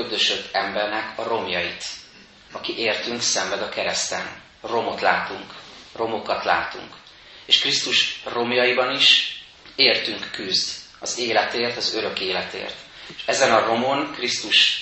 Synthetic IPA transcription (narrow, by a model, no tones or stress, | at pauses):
ød̪øʃød̪ɛmbɛrnɛkʰɒro̞mjɒjit̪ | ɒkiʔeːrt̪yŋksɛmbɛd̪ɒkɛɾɛst̪ɛ̰n | ro̞mo̞t̪laːt̪uŋkro̞mo̞kɒt̪la̰ːt̪ṵŋk | eːʃkrist̪uʃro̞mjɒjibɒniʃ | eːrt̪yŋkːyzd̪ | ɒzeːlɛt̪eːrt̪ɒzøɾø̞keːlɛt̪ḛːrt̪ | eʃɛzɛnɒro̞mo̞nkrist̪uʃ